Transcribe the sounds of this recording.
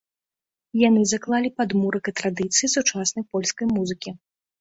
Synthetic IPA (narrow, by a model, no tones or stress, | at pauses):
janɨzaklˠalʲipad̪muɾɐkɐt̪ɾad̪ɨt̪sɨjisut͡ʂasnɐjpɔlʲskɐjmuzɨkʲi